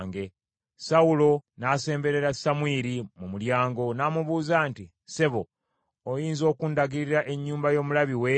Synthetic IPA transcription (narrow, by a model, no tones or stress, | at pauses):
ŋɡe̞ | saulo̞nase̞ːmbe̞ɾe̞ɾasamwiɾimumuljaːŋɡo̞namuβuːzaːnti | se̞βo̞ː | jiːnzo̞ːkundaɡiɾiɾaʔe̞ɲːuːmbajo̞ːmulaβiwe